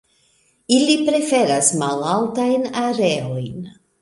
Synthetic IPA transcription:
ilipɾe̞fe̞ɾasmalaltajnaɾe̞o̞jn

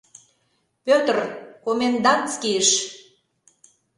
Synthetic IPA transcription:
pʲøt̪ərkomend̪ɑnt̪t͡skiəʃ

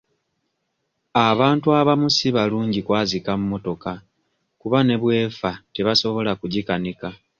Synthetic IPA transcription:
aβaːntuaβamusiβaluːɲɟikwaːzikamumo̞to̞ka | kuβane̞βwe̞ːfate̞βaso̞βo̞lakuɟikanika

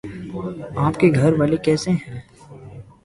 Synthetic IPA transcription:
aːpkeɡʱɐɾʋaːlekɛːseɦɛ̃ː

